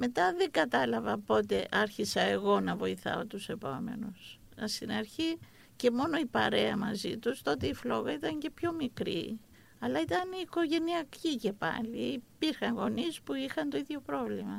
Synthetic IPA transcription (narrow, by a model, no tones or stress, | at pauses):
me̞t̪ɐðeɡɐt̪ɐlɐvɐpo̞t̪e̞ʔɐɾçisɐe̞ɣo̞nɐvo̞iθɐ̰o̞t̪use̞po̞me̞̰nus | st̪inɐɾçi | ce̞mo̞no̞ipɐɾe̞ɐmɐzḭt̪ust̪o̞t̪e̞iflo̞ɣɐit̪ɐɲce̞pço̞mikɾḭ | ɐlɐit̪ɐniːko̞ʝe̞niɐcice̞pɐ̰liːpiɾxɐŋɣo̞nispuixɐnt̪o̞iðʝo̞pɾo̞vlimɐ